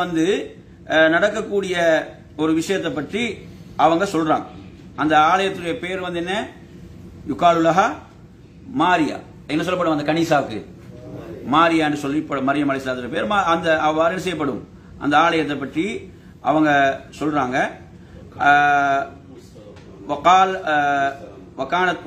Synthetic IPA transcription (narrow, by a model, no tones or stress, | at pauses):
ɐnd̪ɯ | nɐɽɐkːɐkːuːɽɪjɐ | ɔɾɯʋɪʂɐjɐt̪ːɐpːɐʈriɐʋɐŋɡɐsɔlɾa̰ːŋɡɐɐnd̪ɐaːɭɐjɐt̪ːɯɽɐjɐpeːɾʋɐnd̪ɛnːɐ | jʊkːaːlɯlːaːɦa | maːɾɪja̰ː | ɛnːɐsɔlːɐpːɐɽɯmɐnd̪ɐkɐniːsaːkːɯ̰ | maːɾɪjaːɛnɖdrɯsɔlːɪpːɐɽɯmɐɾɪjɐmɐɭɐɪsɪlaːt̪ːɪɾɐpeːɾmaɐnd̪ɐɐʋaːɾɛnɯs̬ɐjːɐpːɐɽɯm | ʔɐ̰nd̪ɐaːɭɐjɐt̪ːɐpːɐʈri | ʔɐʋɐŋɡɐsɔlraːŋɡɐ | ʋɐkaːl | ʋɐkaːnɐt̪